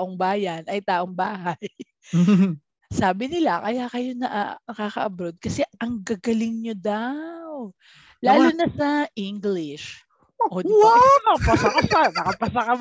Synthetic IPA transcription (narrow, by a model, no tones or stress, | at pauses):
ʔoŋbaːjɐnɐjt̪aːʔoŋbaːhɐj | saːbɪnɪlakɐjakɐjonɐʔanɐkaːkɐʔɐbɾod̪̚kɐsɛʔɐŋɡɐɡɐlɪŋɲod̪aw | laːlʊnɐsɐʔɪŋɡlɪʃ | ʔod̪iaapɐsɐkɐsanɐkɐpɐsɐkɐm